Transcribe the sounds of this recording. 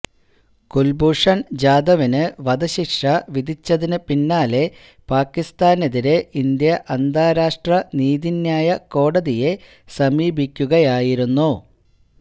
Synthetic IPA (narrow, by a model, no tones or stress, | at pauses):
kulbuʂɐnd͡ʑaːd̪ɐʋinɨʋɐd̪ɐɕikʂɐʋid̪ʱit͡ɕːɐðinɨpinːaːle̞ | paːkːist̪aːneðiɾe̞ind̪jɐʔɐnd̪ʱaːɾaːʂʈrɐniːðinjaːjɐko̞ːɽɐðije̞ | sɐmiːbʱikʲːuɣɐjaːjiɾunːu